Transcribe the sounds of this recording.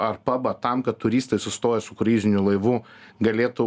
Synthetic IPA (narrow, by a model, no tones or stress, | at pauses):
ɐrpɐbɐt̪ɐmkɐt̪̚t̪ːʊɾʲiːst̪ɐɪsʊst̪oːjɛsʊkɾʲiːzʲɪnʲʊlˠɐɪʋʊɡɐlʲeːt̪ʊ